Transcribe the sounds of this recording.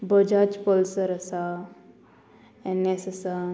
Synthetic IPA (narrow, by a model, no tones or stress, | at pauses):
bəd͡ʒat͡ʃpəlsəɾəsa | ɛnesəsa